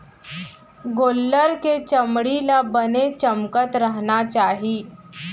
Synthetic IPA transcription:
ɡolːəɾket͡ɕəmɽilabənet͡ɕəmkət̪ɾaɦɳat͡ɕaɦiː

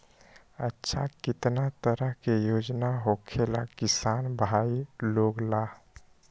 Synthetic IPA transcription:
ətːʃʰakɪt̪nat̪əɾəɦkejoːd͡ʒnaɦokʰela̰kɪsanbʱailoːɡla

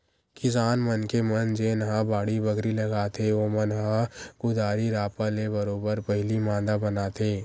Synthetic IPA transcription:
kɪsaːnmənkemɐnd͡ʒeːnɦãbaːɽibɐɡɾilɐɡaːt̪ʰeoːmənɦãkʊd̪aːɾiɾaːpalebɐɾoːbəɾpɐɦɪlimãːnd̪abɐnaːt̪ʰeː

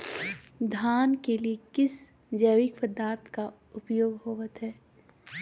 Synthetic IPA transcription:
d̪ʱaːnkeliekɪs | d͡ʒɛːʋɪkpəd̪aːɾt̪ʰka | ʊpjoːɡɦoːʋət̪ɦɛː

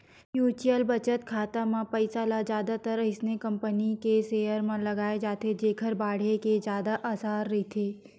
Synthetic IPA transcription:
juːt͡ʃijəlbɐt͡ʃət̪kʰaːt̪amãpəɪsalad͡ʒjaːd̪at̪əɾɦɪsnekɐ̃mpənikeseːəɾmãlɐɡaːed͡ʒaːt̪ed͡ʒeːkʰəɾbaːɽ̤eked͡ʒjaːd̪aʔasaːɾːɐit̪ʰeː

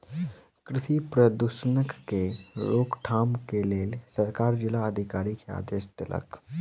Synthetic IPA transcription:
kɾɪtipɾəd̪uʃənəkːeɾoːkʈʰaːmkeleːlsəɾkaːɾd͡ʒɪlaəd̪ʱɪkaːɾikea̰ːd̪eːʃt̪əlʔə̰k

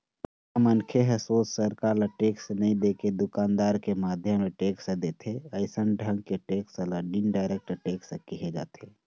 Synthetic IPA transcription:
amənkʰeɦəsoːt͡ʃsəɾkaɾlaʈeːksnəĩd̪eked̪ʊkaːnd̪aːɾkemaːd̪ʱjəmeʈeːksed̪eːt̪ʰeəɪsənɖʱə̃ŋɡ̚keʈeksəlaɖinɖaɪɾek̚ʈʈeːksekiɦed͡ʒa̰ːt̪ʰe

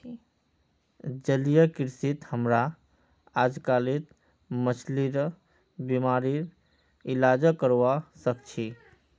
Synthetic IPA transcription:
d͡ʒəlijəkiɾsit̪həmɾa | ad͡ʒkalit̪ | mət͡ʃʰliɾ | bimaɾiɾ | ilad͡ʒəkəɾwasəkt͡ʃʰi

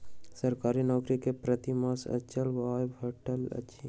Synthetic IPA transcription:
səɾkaːɾinɔːkɾikepɾət̪imasɐ̰t͡ʃəlʋabʰʱəʈəlɐ̰tːʃʰi

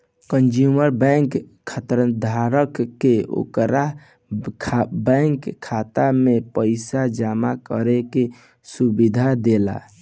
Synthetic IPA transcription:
kənd͡ʒuməɾbɛŋk | kʰːət̪ɾəd̪ʱaɾəkːeo̰kɾa | bɛŋkʰːat̪amepəɪsad͡ʒamakə̰ɾeke | subid̪ʱad̪ela̰

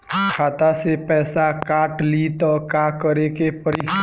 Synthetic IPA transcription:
kʰaːt̪asepɛːsakaːʈliːt̪ɔːkakəɾekepəɾi

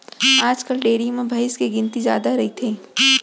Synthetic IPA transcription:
aːd͡ʒkəlɖeːɽimẽbʱɐɪskeɡɪnt̪izjaːd̪aɾɐɦit̪ʰeː

